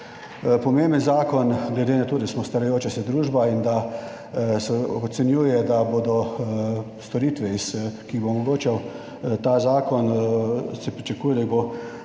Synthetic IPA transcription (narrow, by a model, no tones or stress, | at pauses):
pɔmembənzaːkɔnɡlɛd̪eːnat̪oːd̪asmɔst̪aɾajoːt͡ʃasɛd̪ɾuːʒbaind̪a | sɛɔt̪sɛnjuːjɛd̪abod̪ɔ | st̪ɔɾiːt̪ʋɛiskiɣbomɔɡoːt͡ʃaw | t̪azaːkɔn | sɛpɾit͡ʃakuːjɛd̪abo